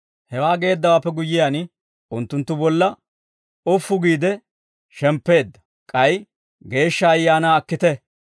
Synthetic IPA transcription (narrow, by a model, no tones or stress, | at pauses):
hɛwaːɡe̞ːd̪ːɐwaːpːɛɡʊjːɪjaːn | ʔʊnt̪ːʊnt̪ːʊbɔlːɐ | ʊfːʊɡiːd̪ɛ | ʃɛmpːe̞ːd̪ːɐ̥ | kʼɐj | ɡe̞ːʃːɐːjːaːnaːɐkːɪt̪ɛ